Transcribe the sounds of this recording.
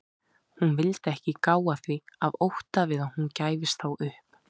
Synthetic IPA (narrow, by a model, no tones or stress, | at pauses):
hunvɪlt̪ɛhcɪkaːwaθviavowht̪avɪðahuncaːjvɪst̪θawʏhp